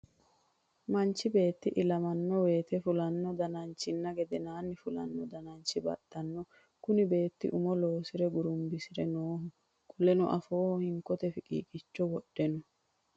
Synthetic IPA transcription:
mɐnt͡ʃːɪbe̞ːt̪ːɪʔɪlɐmɐnːɔwe̞ːt̪ɛfʊlɐnːɔd̪ɐnɐnt͡ʃːɪnːɐɡɛd̪ɛnaːnːɪfʊlɐ̰nːɔd̪ɐnɐnt͡ʃːɪbɐ̰tːɐnːɔ | kʊnɪbe̞ːt̪ːɪ̰ʔʊmɔlo̞ːsɪɾɛɡʊɾʊmbɪsɪɾɛnoːɦʊ | kʼʊlɛnʊ̰ʔɐfo̞ːhɔhɪŋkɔt̪ɛfɪkʼḭːkʼɪt͡ʃːɔwɔɗːɛnʊ

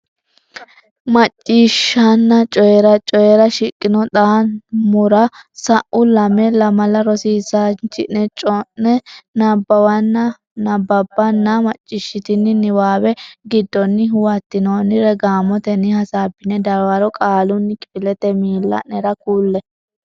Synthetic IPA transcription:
mɐt͡ʃʼːiʃːɐnːɐt͡ʃʼɔjɛɾɐt͡ʃʼɔjɛɾɐʃɪkʼːɪnɔt̪ʼaːnmʊɾɐsɐʔʊlɐmɛlɐmɐlɐɾɔsiːsant͡ʃɪ̰ʔɛt͡ʃʼɔnɛnɐbːɐwɐnːɐ | nɐbːɐbːɐnːɐmɐt͡ʃʼːɪʃːɪt̪ɪnːɪnɪwaːwɛɡɪd̪ːɔnːɪwɐt̪ːɪnoːnɪɾɛɡaːmɔt̪ɛnɪhɐsaːbːɪnɛd̪ɐɾwaɾɔkʼaːlʊnːɪkʼɪpɪlɛt̪ɛmiːlːɐ̰nɛɾɐkuːlːɛ

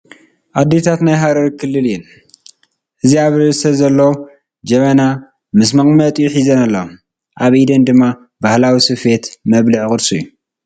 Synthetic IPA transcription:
ʔad̪ːet̪ʰat̪najɦaɾɐɾkʰɨlːɨljɛl | ʔɨziaβɾɨsɐzɐlːɐwo | d͡ʒɐmɐna | mɨsmɐχʼmɐt̪ʼijħizɐnalːɐ | ʔaβʔid̪ɐnd̪ɨmːa | bahlawisɨfe̞t̪mɐβlɨʕkʼɨd̪sujːu

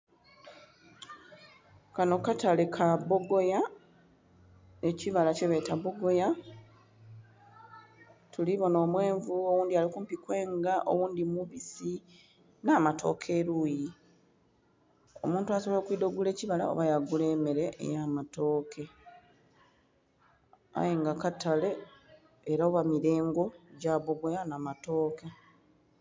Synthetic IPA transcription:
kano̞kːatalekʰaβo̞ɡo̞ja | eciβalaceβe̞ːtaβo̞ɡo̞ja | tuliβo̞no̞ːmwe̞ːɱvuo̞wuːndialikumpikwe̞ːŋɡaʔo̰wuːndimuβisi | naːmatʰo̞̰ːkʰe̞ːɾuji | o̞̰mũːntuaso̞βoːkwiːdo̞ɡule̞ːciβala̰o̰βajaɡule̞ːme̞ɾe̞ʔḛjamato̞ːkʰe̞ | a̰jeŋɡakatale̞ | eɾaoβamiɾe̞ːŋɡo̞ɟaːβoɡwejanaːmato̞ːke

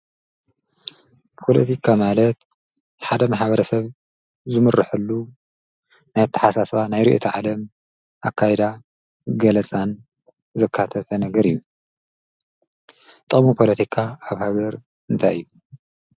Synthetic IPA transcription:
pʰo̞lɐt̪ʰikʰamalɐt̪ | ħad̪ɐmaħbɐɾɐsɐβ | zɨmɨrːɨħulːu | najt̪ʰːɐ̥ħasasβanajɾḭʔit̪ʰiʕalɐm | ʔakʰːajɛd̪a | ɡɐlɐt͡sʼan | zɨkʰːat̪ʰɐt̪ʰɐnɐɡɐɾɨjːu | t̪ʼɨχʼmupʰo̞lɐt̪ʰikʰaːβhaɡɐɾ | ɨnt̪ʰajɨjːu

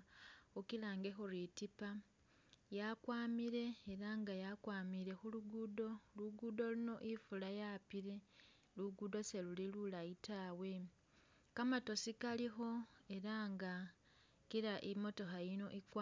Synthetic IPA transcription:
okilaːŋɡe̞xuɾitipa | jakwaːmiɾe̞ːɾaŋɡajakwaːmiɾe̞xuluɡudo̞luɡudo̞luno̞ʔifulajapiɾe̞ | luɡudo̞se̞lulilulaitawe̞ | kamato̞sikalixo̞e̞ɾaŋɡa | kiɾaʔimo̞to̞xajino̞ʔikwa

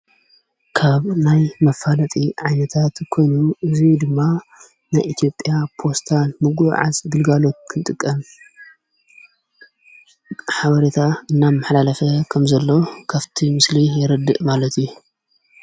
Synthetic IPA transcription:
kʰaβnajmɐfalɐt̪ʼiʕajnɐt̪ʰat̪kʰo̞jnuʔɨzid̪ɨmːa | najʔit̪ʰijo̞pʼjapʰo̞st̪ʰalmɨɡuʕa̰zɡɨlɡalo̞t̪̚kʰɨnt̪ʼɨkʼːɐm | ħaβɐɾet̪ʰaɨnːamːaħlalɐfɐkʰɐmzɐlːo̞kʰaβt̪ʰimɨslijɪɾɐd̪ːɨʔmalɐt̪ju

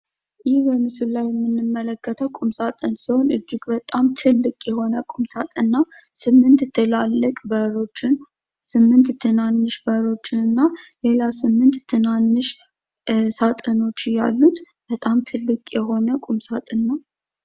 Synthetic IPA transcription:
jɪhbəmɨsɨllajːɛmːɨnːɨmːələkːət̪ʰəwkʼumsat̪ʼɨnsɨho̞nɨd͡ʒːiɡbət̪ʼamt̪ʰɨlːɨkʼjɛho̞nəkʼumsat̪ʼɨnːasɨmːɨnt̪t̪ʰːɨlalːɨkʼbəɾo̞t͡ʃːɪn | sɨmːɨnt̪t̪ʰːɨnanːɨʃbəɾo̞t͡ʃːɪnɨnːalelasɨmːɨnt̪ʰːɨnanːɨʃ | sat̪ʼɨno̞t͡ʃːja̰lːut̪ | bət̪ʼamt̪ʰɨlːɨkʼjɛɦo̞nəkʼumsat̪ʼɨnːa

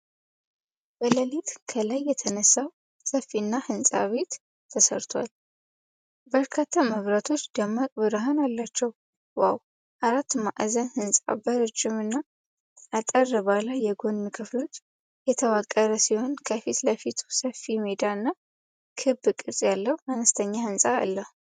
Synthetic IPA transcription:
bələlit̪kʰəlajːɛt̪ʰənəsːaw | səfːinːahɨnsʼa̰βe̞t̪ʰː | əsə̰ɾt̪ʰwa̰l | bəɾkʰat̪ʰːaməβɾat̪ʰo̞t͡ʃːd̪əmːakʼbɨɾɦanalːat͡ʃːɛw | waw | ʔaɾat̪ːma̰ʔzənhɨnsʼa̰bəɾɨd͡ʒːɪmɨnːa | ʔat̪ʼərːɨβalajːɛɡo̞nːɨkʰɨflo̞t͡ʃː | jɛt̪ʰəwakʼːəɾəsiho̞nkʰəfit̪ləfit̪ʰu̥səfːimed̪aɨnːa | kʰɨbɨkʼɨɾsʼjalːəwuanəst̪ʰəɲːahɨnsʼa̰ːlːəh

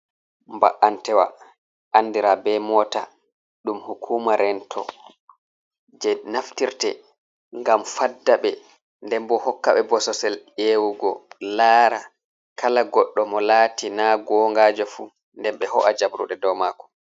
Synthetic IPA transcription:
mba̰ʔantɛwa̰ | ʔanːdiɾabɛmɔta | ɗumhukʰuːmaɾʔɛntʰɔ̰ | d͡ʒɛnaftiɾtɛ̰ | ŋɡamfadːaɓɛ | ndɛmbɔhɔkːaɓɛbɔsɔsɛlewuɡɔlaːɾa | kʰalaɡɔɗːɔmɔlaːtʰinaɡɔːŋɡaːd͡ʒɔfu | ndɛmɓɛhɔ̰ʔad͡ʒabɾṵɗɛdɔwmakɔ̥

